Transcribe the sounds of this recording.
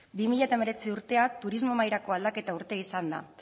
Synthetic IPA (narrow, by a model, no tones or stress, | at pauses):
bimiʎat̪aeme̞ɾe̞t͡siuɾt̪e̞at̪uɾizmo̞majɾako̞ald̪ake̞t̪auɾt̪e̞isand̪a̰